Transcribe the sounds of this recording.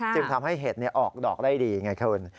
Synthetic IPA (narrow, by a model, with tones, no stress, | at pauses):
t͡ɕɯ˧ŋt̪ʰa˧mɦa˥˩jɦeː˨˩t̪̚ni˥˩ɐʔɔː˨˩k̚dɔː˨˩k̚daː˥˩jdiː˧ŋa˧jkʰɯː˧n